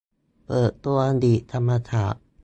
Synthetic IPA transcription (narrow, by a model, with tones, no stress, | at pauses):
pɤː˨˩t̪ːu˧ɐa˧d̪iː˨˩t̪ʰa˧mːa˧t̪ʰaː˨˩ʔ̚